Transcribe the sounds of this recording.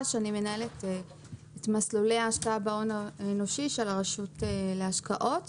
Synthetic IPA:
ʃeanimenae̞let | etmaslulejaːʃkaabaonaeno̞ʃiʃelaʁaʃuteleaʃkaʔo̞t

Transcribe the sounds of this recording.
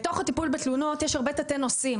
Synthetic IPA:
t̪o̞χhatipulbet̪lunot̪jɛʃaʁbe̞t̪atenosim

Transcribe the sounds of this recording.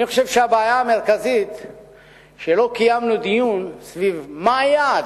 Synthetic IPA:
anixoʃevʃeabeːjaːmeʁkazit̪ | ʃelo̞kajamnud̪ijunsvivmajad

